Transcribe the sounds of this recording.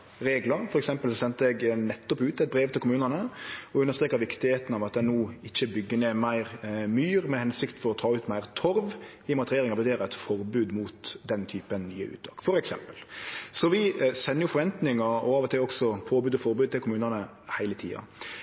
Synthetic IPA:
ɾeːɡləɾfɔɾɛksɛmpəlsɔsɛnt̪əɛɡnɛt̪ːɔpʉːt̪ɛt̪̚bɾeːʋt̪ʰɪlkʊmʉːnənəɔʉnːəst̪ɾeːkəɾʋɪkt̪ɪheːt̪ən̩ɑʋɑt̪d̪ɛnuːɪçːəbʏɡːəneːmæɪɾmyːɾmɛhɛnsɪkt̪fɔɾɔt̪ʰɑːʉːt̪mæɪʁt̪ʰɔɾʋ | ɪmɑt̪ɾeːɾɪŋɑbʉd̪eːɾɛt̪fɔɾbʉːd̪muːt̪d̪ɛnt̪ʰyːpənny̰ːə̰ʉ̰ːt̪t̪ʰɑ̰ːkfɔɾɛksɛ̰mpəlsɔʋɪsɛnːəjʊfɔɾʋɛnt̪nɪŋəɔɑːʋɔt̪ʰɪlɔksɔpʰoːbʉːd̪ɔfɔɾbʉːd̪̚t̪ɪlkʰʊmʉːnənə | hæɪlət̪ʰḭːɑ̰

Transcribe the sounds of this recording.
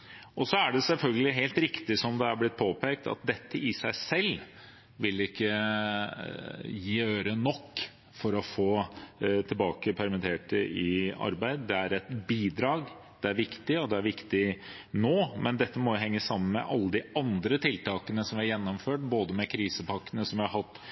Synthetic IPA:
ʔɔsɔæɖɛsɛlfœlɡəlɪɦeːlt̪ɾɪkt̪ɪsɔmd̪ɛæɾblɪt̪̚pʰoːpʰeːk̚t̪ɑ̰t̪̚d̪ɛt̪ːəɪsæɪsɛl | ʋɪlɪkːə | jiːøːɾənɔkː | fɔɾɔfoːt̪ʰɪlbɑːkəpʰæɾmɪt̪ʰeːʈəʔɪɑ̰ɾbæɪd̪d̪ɛæɾɛt̪biːd̪ɾɑːɡ | d̪̥ɛæɾʋɪkt̪ɪɔd̪ɛæɾʋɪkt̪ɪ | noːmɛnd̪ɛt̪ːəmɔjʊɦɛŋːəsːɑmːənmɛ̰ʔɑlːəd̪ɪɑnd̪ɾət̪ʰɪlt̪ɑːkənəsɔmʋɪæɾjɛnːɔmføːʈboːd̪əmɛkʰɾiːsəpɑkːənəsɔmʋɪhɑɾhɑt̪ː

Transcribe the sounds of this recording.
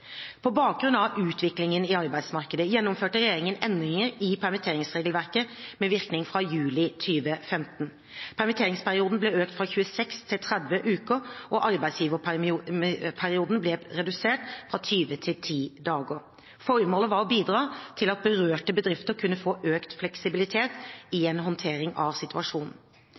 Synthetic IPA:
pʰɔbɑːk̚ɡʁʉnɑʋʉːt̪ʰʋɪklɪŋənɪɑɾbæɪsmɑɾkəd̪əjɛnːɔmføːʈəɾɛjeːɾɪŋənɛnd̪ɾɪŋəɾɪpʰæɾmɪt̪ʰeːɾɪŋsʁeːɡlʋæɾkəmɛʋɪʁknɪŋfɾɑjʉːlɪt̪ʰyːʋəfɛmt̪n̩ | pʰæɾmɪt̪ʰeːɾɪŋspʰæʁɪuːd̪n̩blɛøːk̚t̪fɾɑçʉːəsɛkst̪ʰɪlt̪ʰɾɛd̪ʋəʔʉːkəʔɔʔɑɾbæɪsjiːʋə | pʰæʁɪuːd̪n̩blɛʁɛd̪ʉseːʈfʁɑt̪ʰyːʋət̪ʰɪlt̪ʰiːd̪ɑːɡə | fɔɾmoːləʋɑɾɔbiːd̪ʁɑːt̪ʰɪlɑt̪̚bəɾøːʈəbəd̪ɾɪft̪əɾkʰʉnːəfoːʔøːkt̪flɛksɪbɪlɪt̪ʰeːt̪ɪeːnɦɔnt̪ʰeːɾɪŋɑʋsɪt̪ʉɑʂuːnn̩

